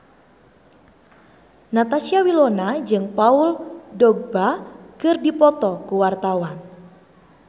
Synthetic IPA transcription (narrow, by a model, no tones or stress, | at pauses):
nat̪asiawilɔnad͡ʒɨŋpauldɔɡ̚bakɨrdipɔt̪ɔkuwart̪awan